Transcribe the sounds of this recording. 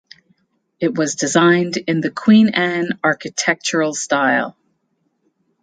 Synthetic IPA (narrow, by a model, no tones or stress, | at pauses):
ɨt̚wʌzdɨzãɪ̃ndɪ̃nðɨkʰw̥ĩnæ̃nɑɹkɨtʰɛk̚t͡ʃə˞l̩ˠstaɪlˠ